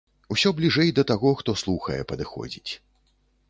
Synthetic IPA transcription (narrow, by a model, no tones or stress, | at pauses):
usʲɔblʲiʐɛjd̪ɐt̪aɣɔxt̪ɔslˠuxɐ̰jɛ̰pɐd̪ɨxɔ̰d͡zʲit͡sʲ